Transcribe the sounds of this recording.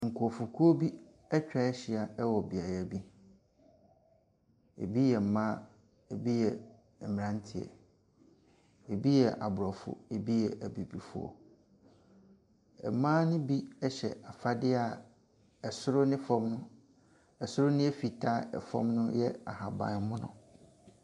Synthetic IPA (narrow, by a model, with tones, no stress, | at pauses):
ŋ̩˨kʰu˨ɔ˨fu˨kʰu˦o˦bi˦ | ɛ˦t͡ɕᶣa˦ɛ˦ɕɪ˨a˨ɛ˦wɔ˨bi˨a˨jɛ˨bi˦ | ḛ˨bi˦jɛ˨m̩˨mãː˦ | e˨bi˦jɛ˨ | ɛ˨mɪ̃˨ã˦n˦tʰɪ˨ɛ̰˨ | e˨bi˦jɛ˨ʔa̰˨bʊ˨ɾɔ˨fʊ̰˦e˨bi˦jɛ˨ʔæ˨bi˨bi˨fṵ˦ɔ̰˨ | ɛ̰˨mãː˦nɪ̃˦bi˦ɛ˦ɕɛ̰˨a˨fa˦dɪ˦a˨ | ɛ˨sʊ˦ɾʊ˦nɪ̃˦fɔ̃˦mnʊ̃˦ | ɛ˨sʊ˦ɾʊ˦nɪ̃˦ɛ˦fi˨tʰa˦ɛ̰˨fɔ̰̃˦mnʊ̃˦jɛ˦a̰˨ha˨bã̰˨˦mʊ̃˦nʊ̰̃˦